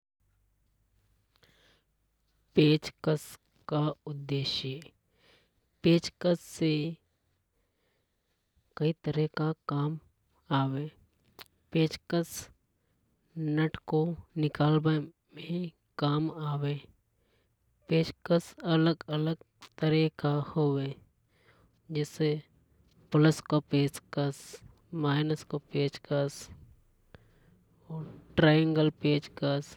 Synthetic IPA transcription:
peːt͡ʃkəs | kaʊd̪ːeːʃe | peːt͡ʃkəsːe | kɐit̪əɾəɦkakaːm | aːweː | peːt͡ʃkəs | nəʈkonɪkaːlbe | mẽ | kaːmaːweː | peːt͡ʃkəsələɡələɡ | t̪əɾiːkahoːweː | d͡ʒɛːse | pʊləskopeːt͡ʃkəs | maːɪnəskopeːt͡ʃkəs | ɔːɾʈɾaːjə̃ŋɡəlpeːd͡ʒkəs

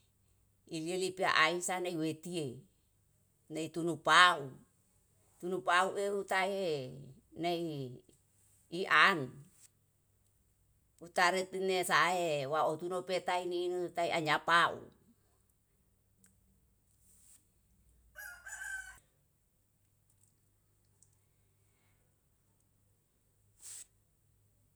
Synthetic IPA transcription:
ilielipia̰ʔaisaneiwet̪ie | neit̪unupau | t̪unupauʔeɾut̪ae | nei | ʔan | ut̪aɾet̪inesaewaot̪unopet̪aininut̪aiʔaɲapaṵ

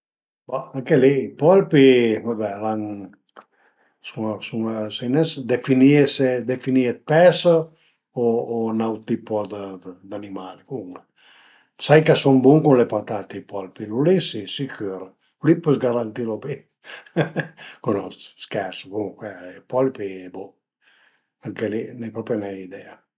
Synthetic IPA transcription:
baaŋkeliipɔlpimabɛlaŋ | suŋsuŋasejnɛsd̪efiniesed̪efiniet̪̚pɛsa | oːnawt̪ipod̪əd̪animalikuŋ | sajkasɔmbuŋkunlepat̪at̪epɔlpilulisisikyɾ | ulipøsɡaɾant̪iɾopi | konɔst̪skɛɾsobuŋkwɛɛpɔlpibo | aŋkelinɛpɾɔpjanɛid̪ɛa

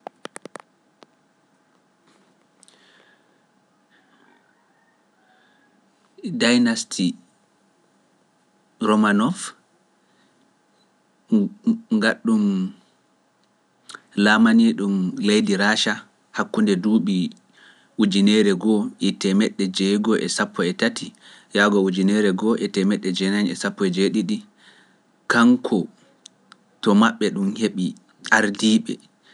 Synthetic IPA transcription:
dajnastʰi | ɾɔmanɔf | ŋɡaɗːum | laːmaniɗumlejdiɾaːʃa | hakːundɛduːɓi | ʔud͡ʒinɛɾɛɡɔʔɛtɛmɛɗːɛd͡ʒɛɡɔʔɛ̰sapːɔɛtati | jaɡɔud͡ʒinɛɾɛɡɔʔɛtɛmɛɗːɛd͡ʒɛnanɛsapːɔɛd͡ʒeɗiɗi | kaŋkʰɔ | tɔmaɓːɛɗumheɓi | ʔaɾdiːɓɛ̰

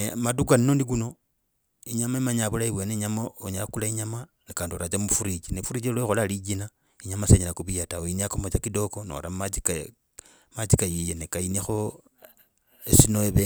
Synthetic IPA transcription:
nemadukwaninondik̬uno̞ | iɲamaimaɲaβulaiβwe̞neɲamaoɲalakulaiɲama | ekaːndioɾat͡ʃamufuɾit͡ʃinefuɾit͡ʃelwexolalid͡ʒina | iɲamaseɲelakuβijataoiniakomot͡ʃakido̞ko̞no̰ɾammat͡ʃika | mat͡ʃikajijenekainexo̞ | esinoeβe

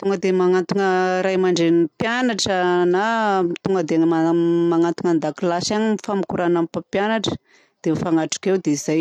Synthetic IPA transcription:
t̪uŋɡəd̪emaŋant̪uŋəɾajmaɳɖ͡ʐenipjanaʈ͡ʂənait̪uŋɡəd̪eanəmamaŋant̪uŋand̪akilasaɲimifamikuɾanampapjanaʈ͡ʂə̥ | d̪̥emfaŋaʈ͡ʂu̥kewd̪eiz̥aj

